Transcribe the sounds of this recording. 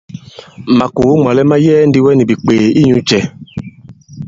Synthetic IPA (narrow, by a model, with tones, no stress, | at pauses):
ma˨ku˨˦ŋ͡mɔ˨lɛ˦ma˦jɛː˦n˦di˦wɛ˦ni˨bi˨k͡peː˨i˦ɲũ˦t͡ʃɛ˨